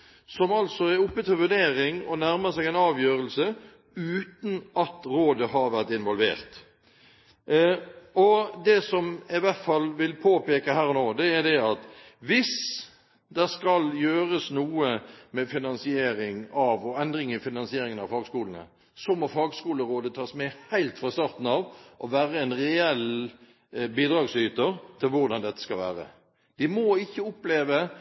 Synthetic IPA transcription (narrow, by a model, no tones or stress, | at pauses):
sɔmɑlsɔɛɾʊpːət̪fəʋʉɖ̪eːɾɪŋɔnæɾməsɛɡɛnɑːʋjøːɾəlsə | ʉːt̪n̩ɑt̪ɾoːd̪əɦɑɾʋæʁt̪ɪnʋɔlʋḛːɾt̪ | ɔd̪ɛsɔmɪʋæɾt̪fɑlːʋɪlpʰoːpeːkəɦæːɾɔnoːd̪ɛæd̪ɛɑt̪ʋɪs | d̪ɛskɑljøːɾəsnuːəmɛfɪnɑnsɪeːɾɪŋɑʋɔɛnd̪ɾɪŋɪfɪnɑnsɪeːɾɪŋənɑʋfɑːɡskuːln̩ə̰ | sɔmɔfɑːɡskuːləɾoːd̪ət̪ʰɑːsmɛhæɪlt̪fɾɑst̪ɑːɾt̪n̩ɑʋʔɔʋæːɾəɛnʁɛɛl | biːd̪ɾɑːɡsyːt̪ət̪ʰɪlʋʊɾd̪ɑnd̪ɛt̪ːə̥skɑlʋæ̰ːɾə̰ | d̪̥ɪmɔɪçːəʊpleːʋə